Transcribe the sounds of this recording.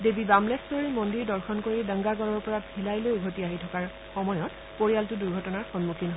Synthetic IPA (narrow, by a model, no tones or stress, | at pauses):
debibamlɛsɔɹimondiɹdɔɹxɔnkoɹidə̃ŋɡaɡɔɹɔɹpɔɹabʱʰilajlojɡʱotiaɦitʰɔkaɹ | xɔmɔjɔt | poɹijaltʊduɹɡʱɔtɔnaɹxɔnmukʰinaɦ